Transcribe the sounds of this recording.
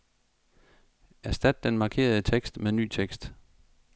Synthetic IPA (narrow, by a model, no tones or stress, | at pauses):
æsd̥æd̥ːenmɑ̈kʰe̝̰ːɐðˠət͡sʰeɡ̥sd̥meny̰ːt͡sʰeɡ̥sd̥